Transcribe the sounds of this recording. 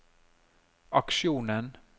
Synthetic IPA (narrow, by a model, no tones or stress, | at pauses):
ɑkʃɪuːnən